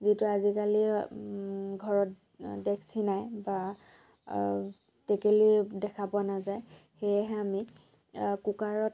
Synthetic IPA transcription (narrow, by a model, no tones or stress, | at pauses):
zituazikali | ɡʱɔɹɔt | dɛkʰsinajba | tekelidɛkʰapʊanazajxejɛɦɛami | kukaɹɔt